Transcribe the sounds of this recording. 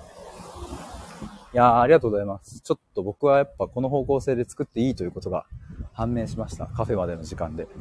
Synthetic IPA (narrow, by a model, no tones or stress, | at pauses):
jaːɾʲiɡat̪oːɡozaimasɨ̥t͡ɕo̞t̪ːo̞bo̞kɯ̟βajapːako̞no̞ɦo̞ːko̞ːse̞ːd̪e̞t͡sɨ̥kɯ̟t̪ːe̞iːt̪o̞jɯ̟kot̪o̞ɡa̰hãnːẽ̞ːɕimaɕi̥t̪a̰kaɸe̞mad̪e̞no̞ʑikãnd̪e̞